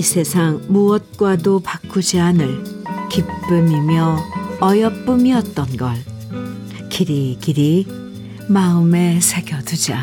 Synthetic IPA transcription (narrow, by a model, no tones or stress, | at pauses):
isʰe̞sʰaŋmuʌt̚k͈wadopak͈ʰːud͡ʑianɯɭkip͈ːɯmimjʌʌjʌp͈umiʌt̚t͈ʌnɡʌɭ | kiɾikiɾi | maɯme̞sʰeɡjʌdud͡ʑa